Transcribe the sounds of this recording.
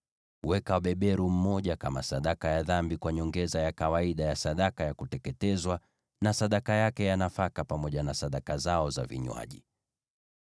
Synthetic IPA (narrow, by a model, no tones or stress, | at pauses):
wɛkaɓɛɓɛɾum̩mɔʄakama̰saɗakajaðambikwaɲɔŋɡɛzajakawaiɗajasaɗakajakutɛkɛtɛzwa | nasaɗakajakɛjanafakapamɔʄanasaɗakazaɔza̰vḭɲwa̰ʄḭ